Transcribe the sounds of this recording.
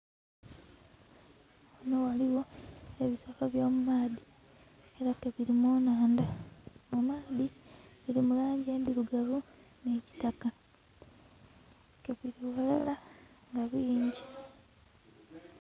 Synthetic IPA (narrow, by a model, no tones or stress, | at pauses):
onowaliwo̞eβisakaβjo̞ːmumaːði | e̞ɾakeβiɾimoːnaːndamumaːðiβiɾimulaːɲɟe̞ːnbiɾuɡaβu | ne̞ːci̥taka | keβiɾiwola̰la | ŋɡaβiːɲɟi